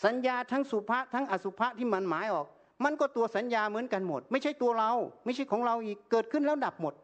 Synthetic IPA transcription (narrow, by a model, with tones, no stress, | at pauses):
sa˨˦njaː˧t̪ʰaː˦˥ŋsu˧˩pʰa˦˥ʔt̪ʰaː˦˥ŋʔa˧su˧˩pʰa˦˥ʔt̪ʰiː˧˩ma˧˥nmaː˨˦jʔɔː˨˩k̚ | ma˧˥˨nkɔː˧˩t̪u˧ɐsa˨˦njaː˧mɯ˩˦ənka˧nmo˨˩t̪̚ma˥˩jt͡ɕʰa˥˩jt̪u˧ɐɾa˧wma˥˩jʰt͡ɕʰa˥˩jkʰɔː˨˦ŋɾa˧wʔiː˨˩kːɤː˨˩t̪̚kʰɯ˧˥˩nlːnda˨˩p̚mo˨˩t̪̚